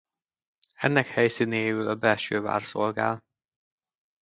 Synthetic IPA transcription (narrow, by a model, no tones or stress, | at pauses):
ɛnːɛkhɛjsineːjylɒbɛlʃøːva̰ːrso̞lɡa̰ːl